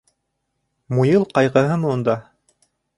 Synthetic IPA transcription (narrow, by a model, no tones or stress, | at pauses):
mujɤlˠqɑjʁɤ̆ɦɤmɤund̪ɑ